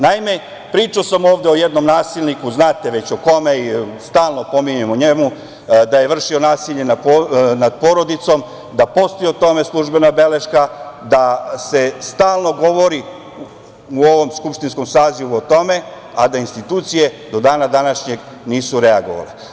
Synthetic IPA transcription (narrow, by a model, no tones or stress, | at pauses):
naime̞ | pɾiːt͡ʃaosamo̞ːʋd̪eo̞jed̪no̞mnaːsilʲnikuznaːt̪eʋe̞t͡ɕoko̞meist̪aːlˠno̞po̞miɲemoɲe̞mu | d̪aje̞ʋr̩ʃio̞naːsiʎe̞naonad̪̚poɾo̞d̪it̪so̞m | d̪apo̞st̪iot̪o̞me̞slˠuʒbe̞nabe̞le̞ʃkad̪ase̞st̪aːlˠno̞ɡo̞ʋo̞ɾi | uo̞ʋo̞mskupʃt̪insko̞msaːziʋuot̪o̞me̞ | ad̪ainst̪it̪uːt̪sije̞d̪o̞d̪aːnad̪anaʃɲe̞ɡ | niːsuɾeaɡo̞̰ʋa̰le